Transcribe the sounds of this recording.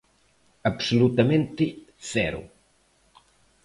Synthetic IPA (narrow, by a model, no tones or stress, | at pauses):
apsolut̪amẽnt̪ɪsɛɾʊ̰